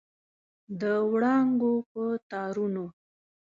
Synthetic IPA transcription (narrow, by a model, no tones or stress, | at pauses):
d̪əwɽɑŋɡopət̪ɑɾuno